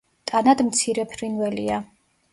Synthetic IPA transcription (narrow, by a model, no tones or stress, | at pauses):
t̪ʼanad̪mt̪sʰiɾɛpʰɾinvɛlia